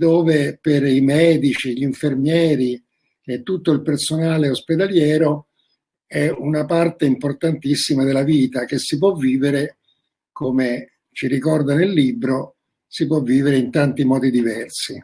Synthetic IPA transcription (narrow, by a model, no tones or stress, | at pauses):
d̪oːveperimɛːd̪it͡ʃiʎiiɱfermjɛːɾi | ɛt̪ːut̪ːoilpersonaːleosped̪aljɛːɾo | ɛunapart̪eimport̪ant̪isːimad̪elːaviːt̪ak̟esːip̬wɔvːiːveɾe | kome | t͡ʃiɾikɔrd̪anelːiːbɾo | sip̬wɔvːiːveɾeint̪ant̪imɔːd̪id̪ivɛrsi